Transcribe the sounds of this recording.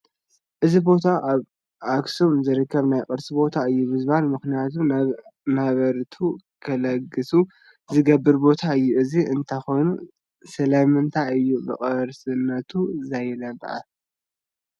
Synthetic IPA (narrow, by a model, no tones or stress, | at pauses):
ʔɨzibo̞t̪ʰaʔaβ | ʔaksomzɨɾɨkʰːɐβnajkʼɨɾsibo̞t̪ʰaɨjːumɨzbanmɨxnijat̪ʰunaβɐɾt̪ʰukʰɐlɐɡɨsu | zɨɡɐbːɨɾbo̞t̪ʰaɨjːuʔɨziʔɨnt̪ʰajxo̞jnu | sɐlɐmɨnt̪ʰaɨjːubɨʔʼɐɾsɨnːɐt̪ʰuzajlɐb̰ʕa̰